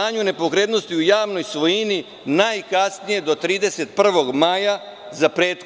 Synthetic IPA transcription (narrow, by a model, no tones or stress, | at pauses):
aːɲune̞po̞kɾe̞d̪no̞st̪iujaːʋno̞jsʋo̞jini | najkasnije̞d̪o̞t̪ɾiːd̪e̞se̞t̪̚pr̩ʋo̞ɡmaːja | zapɾet̪x